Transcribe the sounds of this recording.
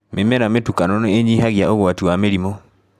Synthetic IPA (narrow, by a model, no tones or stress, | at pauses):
memɛɾametukanɔnɔeɲiɦaɣjaoɣwatiwameɾimɔ